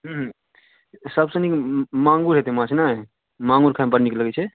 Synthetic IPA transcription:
ɦɦ | səbsə̃nikmaŋɡuɾɦet̪emãt͡ʃʰna | mãŋɡuɾkʰampəɾniklːəɡɛt͡ʃʰɛ

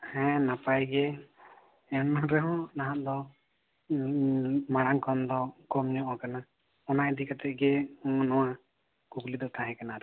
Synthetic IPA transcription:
hɛ̃napajɡɛ | ɛnaɾɛɦɔ̃naɦãʔ̪d̪ɔ | maɽaŋkɔnd̪ɔkɔmɲɔʔɔ̃kana | ɔnajd̪ikat̪ɛʔ̚ɡɛnɔwa | kuklid̪ɔkaɦɛ̃kanaɾ

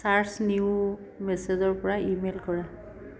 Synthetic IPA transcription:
saɹsniu | mɛsezɔɹpɔɹaʔimelkɔɹa

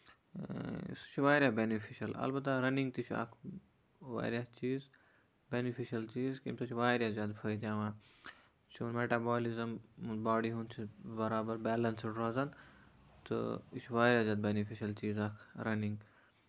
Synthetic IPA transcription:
st͡ʃʰʋaːɾjaːbeːnifʰiʃɐlɐ̰lbɐt̪̬ːaɾɐniŋɡ̚t̪it͡ʃʰa̰ːkʰ | ʋa̰ːɾjat͡ʃiːz | beːnifʰiʃɐlt͡ʃiːzkimsʰɐt͡ʃʰiʋaːɾʲjazʲjaːd̪fʰɐid̪jaːʋaːn | t͡ʃʰunmeːʈaːbaːlizɐmbaːɖiɦũnt͡ʃʰibɐɾaːbɐɾbɛːlɐnsɖɾazɐn | t̪ɨ̰it͡ʃʰʋaːɾʲjaːzʲjaːd̪̚beːnifʰiʃɐlt͡ʃiːzaːkʰɾɐnĩŋɡ

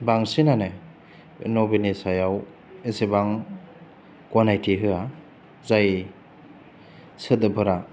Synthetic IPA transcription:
baŋsinane | nɔbenesajaw | esebaŋ | kɔnajtʰiɦɯa | zaj | sɯdɯpʰɯɾa

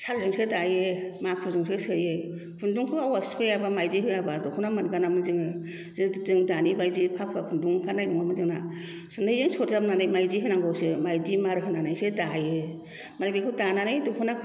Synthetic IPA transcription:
sʰalzɯŋsɯtajemak̚ʰuzɯŋsɯsɯje | kʰunduŋkʰɯawaspʰɯjabamajziɦɯabadɔkʰɔnamanɡanamɯnzɯŋɯ | zɯzɯŋdanibajzipʰakʰpʰakʰunduŋkʰaɾnajduŋamɯzɯŋna̰ | sɯndɯjzɯŋsɔɾzapnanajmajziɦɯnaŋɡɔwsɯmajdimaɾɦɯnanajsɯdaje | maɾbikʰɯtananajdɔkʰɔna

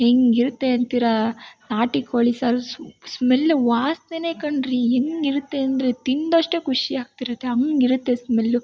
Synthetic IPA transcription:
eŋɡiɾt̪ːeɐnt̪iɾanaːʈikʰoːɭisaɾsmelːuʋaːst̪eneːkɐɳɖɾieŋɡiɾut̪ːeɐnd̪ɐɾet̪ind̪oʂʈekʰuʂiaːɡ̚t̪iɾut̪ːeɐŋɡiɾut̪ːesmelːu

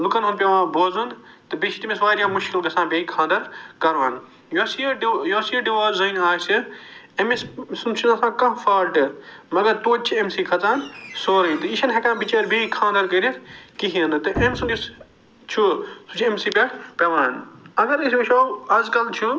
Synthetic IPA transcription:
lukɐnɐnpʲɐʋãːboːzun | t̪ɨbit͡ʃʰit̪imesʋaːɾjaːmuʃkilbɐsãːbikʰãːnd̪ɐɾkɐɾʋaːn | josijosiɖiʋaːɾzɐinaːsɨ | emessunt͡ʃʰunɐ̃sãːkɐ̃ɦfaːlʈɨmɐɡɐɾt̪oːt͡ʃʰiemsiːkʰɐt͡saːnsoːɾɐit̪ɨiʃɐnɦɐkãːbit͡ʃɐːɾbʱiikʰãːnd̪ɐɾkɐɾikiɦiɐ̃nd̪ɨt̪ɨʔemsund͡ʒis | t͡ʃʰusut͡ʃʰemsiːpʲɐʈpɐʋãːnɐɡɐɾɐsʲɐʃʰoːɐzkɐlt͡ʃʰu

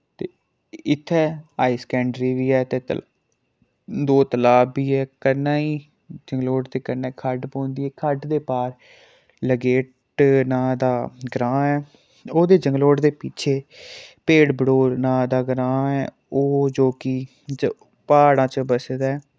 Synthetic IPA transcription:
t̪eː | ɪt̪ʰːɛːaːiːskɛ̃ːɳɖɾiːʋiːɛːt̪eːt̪ | d̪oːt̪əlaːbiːɛːkənːãːiː | d͡ʒəŋɡloːʈd̪eːkənɛːkʰəɖpõːnd̪iːɛːkʰəɖd̪eːpaːɾ | ləɡeːʈ | nãːd̪aːɡɾãːɛː | oːd̪eːd͡ʒəŋɡloːʈd̪eːpɪt͡ʃʰeːpeːɽbəɽoːɾnãːd̪aːɡɾãːɛː | oːd͡ʒoːkɪ | d͡ʒ | paːɽãːt͡ʃəbəsd̪ɛː

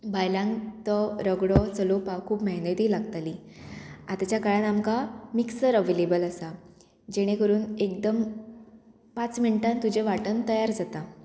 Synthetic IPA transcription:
bajlãŋɡt̪ɔɾəɡɽɔt͡səlopawkʰuːpməɦnət̪iːlaɡt̪ali | at̪at͡ɕjakaɭanamkamiksəɾəʋelebələsa | d͡ʑeɽ̃ekəɾuːnek̚d̪əm | pat͡sminiʈãnt̪ud͡ʑeʋaʈənt̪əjaɾd͡zat̪a

